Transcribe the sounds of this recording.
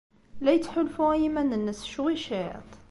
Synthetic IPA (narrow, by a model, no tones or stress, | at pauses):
læjət̪ːħʊlfuæjimænənːæsʃuwiʃiʕ̰t̪ˤ